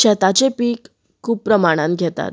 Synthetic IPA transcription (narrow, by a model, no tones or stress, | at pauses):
ɕɛt̪at͡sepiːk | kʰːuːb̚pɾəmaɽ̃ãn̚ɡʱɛt̪a̰t̪̚